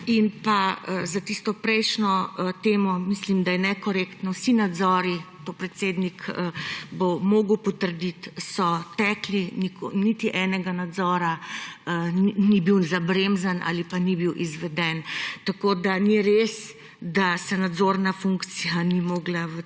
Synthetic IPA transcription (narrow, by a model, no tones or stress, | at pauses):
inpazat̪ist̪ɔpɾɛjʃnɔt̪eːmɔmislimd̪ajɛnɛkɔɾekt̪nɔwsinad̪zɔːɾi | pɔpɾɛt̪seːd̪nikəbomoːɡəwpɔt̪əɾd̪it̪sɔt̪ɛklinikonit̪iʔɛnɛɡanad̪zɔːɾa | nibiwzabɾemzanʔa̰lipanibiwʔizʋɛd̪ɛnt̪akoːd̪aniɾes | d̪asɛnad̪zoːɾnafuŋkt̪sijanimoːɡlaə